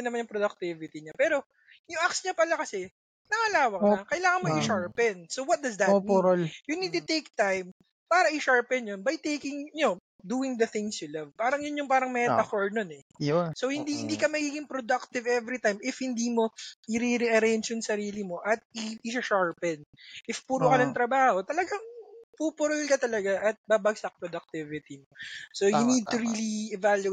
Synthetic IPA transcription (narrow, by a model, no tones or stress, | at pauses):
nɐmanjʊŋpɾod̪ɐk̚t̪ɪvɪt̪iɲapɛːɾo̞ | jʊŋʔaksɲɐpɐlakɐsɛ | nɐŋɐlaːwɐŋɐkɐʔɪlaːŋɐnmoʔɪʃaɹpɛnsowwɐt̪̚d̪ɐsd̪ɐtomioljunid̪̚t̪ʊt̪ejk̚t̪ajm | paːɾɐʔɪʃaɹpɛnjonbɐjt̪ejkɪŋno | d̪uːɪŋd̪ɐθɪ̃ŋsjʊlɐvpaːɾɐŋjʊnjʊŋpaːɾɐŋmɛt̪ɐkoɹnonɛ | sohɪnd̪ihɪnd̪iːkɐmɐɡiːɡɪŋpɾod̪ɐk̚t̪ɪvʔɛvɾit̪ajmɪfhɪnd̪iːmo̞ʔɪɾiɾɛʔɐɾɛnt͡ʃonsɐɾiːlɪmo̞ʔɐt̪̚ɪɪʃɐʃaɹpɛd̪ʔɪfpuːɾokɐnɐŋt̪ɾɐbaːho̞t̪ɐlɐɡɐŋpupʊɾʊlkɐt̪ɐlɐɡaʔɐt̪̚babɐɡsɐk̚pɾod̪ɐk̚t̪ɪvɪt̪imosojʊnid̪̚t̪ʊɾiːliɛvalju